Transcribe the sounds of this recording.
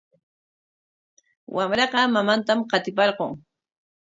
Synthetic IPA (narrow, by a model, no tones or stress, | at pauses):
wʔamɾɑqɑmamant̪amqɑt̪ɪpɑɾqoŋ